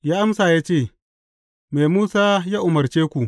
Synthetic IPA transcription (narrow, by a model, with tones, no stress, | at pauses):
jaː˦ʔa˦msaː˨jaː˦t͡ʃeː˦˨ | me˨muː˦saː˦jaː˦ʔʊ˨mɐ˨rt͡ʃeː˦kʷu˨ʔ